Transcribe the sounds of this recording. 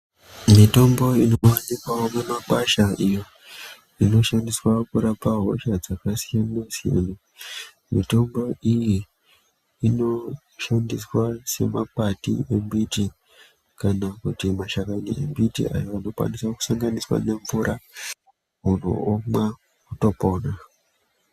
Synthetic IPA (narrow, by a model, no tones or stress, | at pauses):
mito̞mbo̞inowanikwaomemakwaʃaʔijo | ino̞ʃandiswakuɾapaɦo̞̰ʃad͡zakasijanasija̰na | mito̞mbo̞ijiː | no̞ | ʃandiswase̞̰mapatḭe̞mbiti | kanakutimaʃakanḭḛmbitḭʔa̰joano̞kwa̰niswaku̥saŋɡaniswa̰ne̞ɱvuɾʔa | uno̰oma | kuto̞po̞ːna